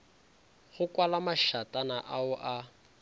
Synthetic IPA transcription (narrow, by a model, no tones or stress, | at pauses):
ɣʊkʼwalamaʃatʼanaʔaʊʔa